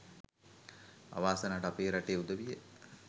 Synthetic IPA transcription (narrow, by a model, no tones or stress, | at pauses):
a̰ʋaːsənaːʈəapeːɾaʈeːud̪əʋijə